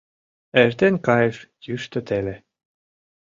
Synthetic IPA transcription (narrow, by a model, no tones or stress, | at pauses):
eʒt̪enkɑjəʃjyʃt̪ə̆t̪ele